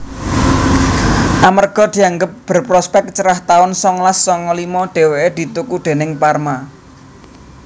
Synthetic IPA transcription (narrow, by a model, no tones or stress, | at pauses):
ʔamərɡ̥ɔ̤d̪̥i̤aŋɡəp̚b̥ə̤rpɾɔspɛk̚t͡ʃəɾaht̪aʊnsɔŋlasːɔŋɔlimɔɖ̪̥e̤weed̪̥i̤t̪ukuɖ̪̥e̤nɪŋparma